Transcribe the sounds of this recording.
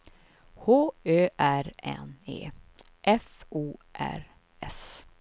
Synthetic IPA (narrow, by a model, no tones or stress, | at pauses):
hoːøːʔæɾɛ̰nḛː | ʔɛfuːʔæ̰ɾ | ɛs